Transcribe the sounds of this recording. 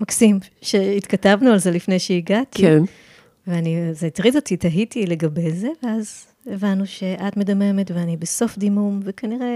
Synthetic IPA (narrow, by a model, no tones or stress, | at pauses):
maksim | ʃe̞it̪katavnualze̞lifnejʃeiɡatkin | veanizeit̪ʁido̞titaɦitile̞ɡɐbe̞jze̞veaz | evanːuʃe̞ʔatmedame̞me̞tveanibeso̞fd̪imumvekaniʁe̞